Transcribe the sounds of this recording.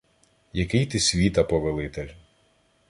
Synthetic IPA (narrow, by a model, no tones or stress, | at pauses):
jɐkɪjt̪ɪsʲʋʲit̪ɐpɔʋelˠɪt̪elʲ